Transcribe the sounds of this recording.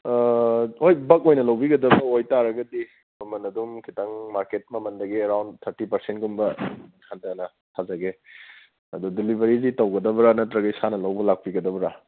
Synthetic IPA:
ojbɐk̚ojnɐlawbiɡɐdɐbɐojtaɾɐɡɐdi | mɐmɐnɐdumkʰitaŋmaɾket̚mɐmɐndɐɡiɐɾawndt̪ʰɐɾtipɐɾsentɡumbɐmɐnkʰandɐnɐ | tʰazɐɡe | ɐdudilibʱɐɾizitɐwɡɐdɐbɐɾanɐtɾɐɡɐjsanɐlawbɐlak̚piɡɐdɐbɐɾa

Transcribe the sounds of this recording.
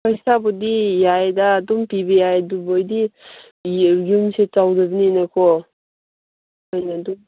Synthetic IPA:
pajsabɔdijajdaːdɔmpibejajdubɔjdi | ɡumset͡ʃawdabininakʰɔ | ɔjnadɔm

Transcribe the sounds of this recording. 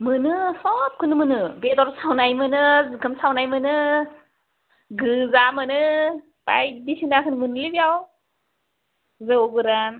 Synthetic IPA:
mɯnɯsɔp̚kʰɯnɯmɯnɯbedɔɾsawnajmɯnɯzɯkʰɯmsawnajmɯnɯ | ɡɯzamɯnɯ | pa̰jdisinakʰɯnɯmɯnɯlibijaw | zɯwbɯɾan

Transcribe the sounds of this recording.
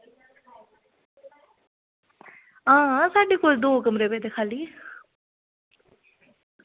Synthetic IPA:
ɦãːsaːɖeːkoːld̪oːkəmɾeːbeːd̪eːkʰaːliː

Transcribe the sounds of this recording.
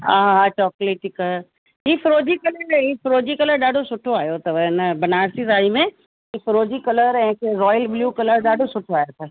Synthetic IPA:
aɦɦat͡ʃɔːkleʈɪk | ɦiːfɾoːd͡ʑikɐləɾɦiːfɾoːd͡ʑikɐləɾɗaːɖʱosʊʈʰoaːjot̪ɐʋɐɪnbɐnaːɾsizaːimẽ | iːfɾoːd͡ʑikɐləɾɛ̃ːkeɾɔːjəlbljuːkɐləɾɗaːɖʱosʊʈʰoaːjot̪ʰɐ

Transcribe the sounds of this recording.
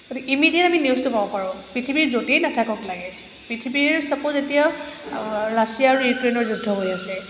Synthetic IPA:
ɡotiimidijɛtaminiustʊpabɔpaɹɔ̃pɹitʰibiɹzotejnatʰakɔtlaɡɛ | pɹitʰibiɹsapɔzetija | ɹasijaːɹujukɹenɔɹzudʱːɔɦojasɛ

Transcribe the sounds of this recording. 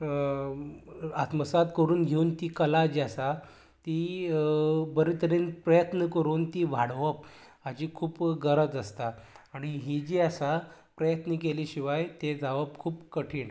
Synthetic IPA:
at̪məsat̪kəɾuːnɡʱeuːnt̪iːkəlad͡ʑiasa | t̪iː | bəɾit̪əɾinpɾəjət̪nəkəɾuːnt̪iːʋʱaɽʋəp̚ | ad͡ʑiːkʰuːpɡəɾəd͡zəst̪aːɽ̃iɦid͡ʑiːasa | pɾəjət̪nikeliːɕiʋajt̪ed͡zaʋəb̚kʰuːpkəʈʰiːɳ

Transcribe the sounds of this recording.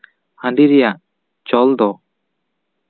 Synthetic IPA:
hãndɖ̪iɾɛjaʔ | t͡ʃɔld̪ɔ

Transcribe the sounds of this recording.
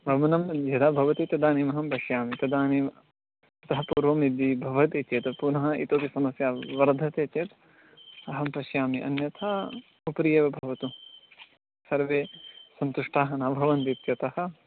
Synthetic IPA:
bɐmɐnɐmjɐd̪aːbʱɐʋɐt̪it̪ɐd̪aːniːmɐɦɐmpɐʃjaːmit̪ɐd̪aːniːm | ɐt̪ɐɦɐpuːɾʋɐmnid̪ːibʱɐʋɐt̪eːt͡ʃeːt̪ɐpunɐɦɐḭt̪oːpisɐmɐsjaːʋɐɾd̪ʱɐt̪eːt͡ʃeːt̪ | ɐɦɐmpɐʃjaːmiʔɐ̰njɐt̪ʰaː | upɾijeːʋɐbʱɐʋɐt̪u | sɐɾʋeːsɐnt̪uʂʈaːɦɐnaːbʱɐʋɐnt̪it̪jɐt̪ɐhɐ̆

